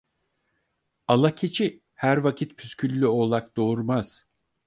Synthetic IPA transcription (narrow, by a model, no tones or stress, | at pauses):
alˠacʰet͡ʃʰi | hæɾvacʰit̪pʰyscʰylʲːyo̞lˠak̚d̪o̞uɾmaz̥